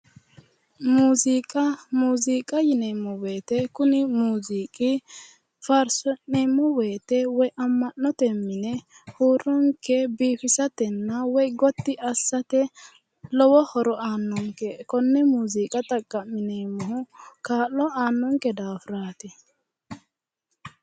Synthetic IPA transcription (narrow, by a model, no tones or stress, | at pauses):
muːzikʼɐmuːziːkʼɐjɪneːmːɔweːt̪ɛkʊnɪmuːziːkʼɪ | fɐɾsɔneːmːɔweːt̪ɛwɔjʔɐmːɐnːɔt̪ɛmːɪnɛ | huːɾɔŋkːɛbiːfɪsɐt̪ɛnːɐwɔjɡɔt̪ːɪɐsːɐt̪ɛ | lɔwɔhɔɾɔaːnːɔŋkɛkɔnːɛmuːziːkʼɐt̪ʼɐkʼːɐmːɪneːmːɔhʊkaːlːɔaːnːɔŋkɛd̪aːfɾaːt̪ɛ